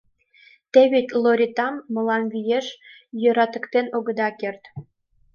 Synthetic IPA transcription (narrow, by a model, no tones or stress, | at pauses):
t̪eβetʲloɾʲit̪ɑmːə̆lɑnβijeʃ | jø̆ɾɑt̪ə̆kt̪enoɣə̆d̪ɑkert̪